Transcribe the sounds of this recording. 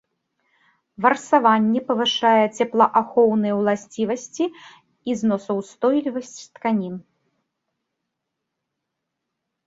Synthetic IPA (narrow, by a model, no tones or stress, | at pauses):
vɐrsavanʲːɛpɐvɨʂajɛt͡sʲɛplˠɐʔaxɔwnɨjɛwlˠasʲt͡sʲivɐsʲt͡sʲi | iznɔsɐwst̪ɔjlʲivɐsʲt͡sʲt̪kanʲin